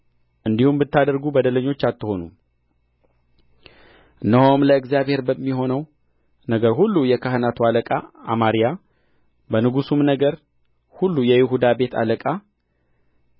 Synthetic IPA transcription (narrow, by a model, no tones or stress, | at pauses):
ʔɨnd̪ihumbɨt̪ːad̪əɾɡubəd̪ələɲːo̞t͡ʃːat̪ːɨho̞nu | ɨnːəhomləɨkzjaβhe̞ɾbəmːiho̞nəw | nəɡəɾhulːujɛkʰahɨnat̪ʰualəkʼaamaɾija | bənɨɡusumnəɡəɾ | hulːujɛjɪɦud̪abe̞t̪ʰa̰ləkʼa